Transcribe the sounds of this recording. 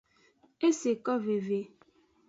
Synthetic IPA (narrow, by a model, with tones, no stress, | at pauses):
e˦se˨kɔ˦ve˨ve˨